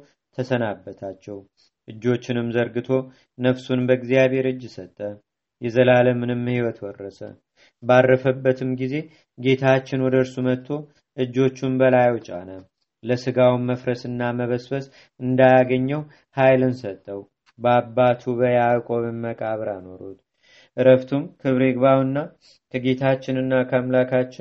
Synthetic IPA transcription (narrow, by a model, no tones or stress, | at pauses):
t̪ʰəsənabːət̪ʰat͡ʃːɛw | ʔɨd͡ʒːo̞t͡ʃːɪnɨmzəɾɡɨt̪ʰo̞ | nəfsunbəɡzijaβhe̞ɾɨd͡ʒːɪsət̪ʼːə | jɛzəlaləmɨnɨmːhiwɔt̪wɔrːəsə̰ | barːəfəbːət̪ʰɨmɡize̞ | ɡe̞t̪ʰat͡ʃːɪnwɔd̪əɾsumət̪ʰːo̞ | ʔɨd͡ʒːo̞t͡ʃːumbəlajwt͡ʃʼa̰nə | ləsɨɡawmːəfɾəsɨnːaməβəsfəs | ɨnd̪ajaɡəɲːəw | hajlɨnsət̪ʼːəw | bəabːat̪ʰuβəjakʼoβɨmːəkʼaβɾanoɾut̪ | ʔɨɾəft̪ʰumkʰɨβɾeɡβawɨnːa | kʰəɡe̞t̪ʰat͡ʃːɪnɨnːakʰəmlakʰat͡ʃːɪn